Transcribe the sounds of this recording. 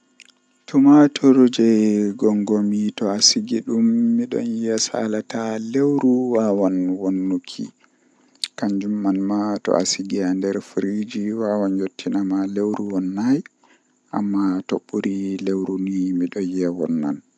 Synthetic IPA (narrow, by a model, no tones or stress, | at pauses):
tumatʰɔɾud͡ʒɛɡɔŋɡomitɔasiɡiɗumːiɗɔ̰njɛsa̰latalewɾuwawanwonːukʰḭ | kaɲd͡ʒumːanmatɔ̰ʔa̰siɡiandɛɾfɾid͡ʒiwawanjotʰːinamalewɾuwɔnːaj | ʔa̰mːatoɓːuɾilewɾunimiɗɔnjɛwɔ̰nːa̰n